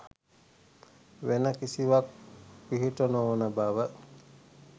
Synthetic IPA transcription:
ʋenəkisiʋak̚piɦiʈonoonəbaʋə

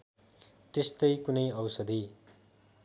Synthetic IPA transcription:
t̪est̪ʌjkunʌjʌwsʌd̪i

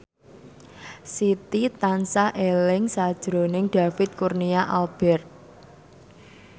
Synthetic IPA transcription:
sit̪it̪ansaʔelɪŋsad̥ʒ̥ɾonɪŋɖ̥a̤fɪt̪̚kurniaʔalb̥ɛrt̪̚

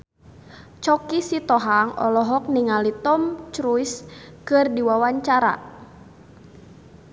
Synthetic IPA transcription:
t͡ʃɔkisit̪ɔɦaŋɔ̰lɔɦɔk̚niŋalit̪ɔmt͡ʃɾujskɨrdiwawaɲt͡ʃaɾa̰

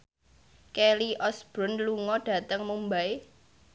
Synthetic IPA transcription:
keliʔɔsb̥ɾʊnluŋɔɖ̥ä̤t̪əŋmumbae

